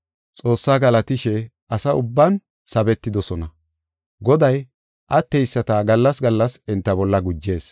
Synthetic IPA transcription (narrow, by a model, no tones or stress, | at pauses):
t͡sʼo̞ːsːaːɡɐlɐt̪ɪʃɛ | ʔɐsɐʊbːɐn | sɐbɛt̪ːɪd̪ɔsɔnɐ | ɡɔd̪ɐj | ʔɐt̪ːɛjsːɐt̪ɐɡɐlːɐsɡɐlːɐsɛnt̪ːɐbɔlːɐɡʊd͡ʒːe̞ːs